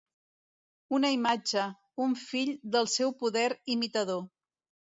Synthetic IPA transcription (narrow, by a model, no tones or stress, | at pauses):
unəimad͡ʒə | uɱfiʎd̪əlˠsɛwpuðɛɾimit̪əð̞o